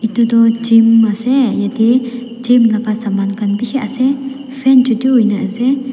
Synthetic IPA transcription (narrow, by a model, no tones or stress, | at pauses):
it̪ud̪ɔd͡ʒimːasɛjad̪i | d͡ʒimlakasamankanbisɛʔasɛ | fʰɛnt͡ʃut̪uɦujnaʔəsɛ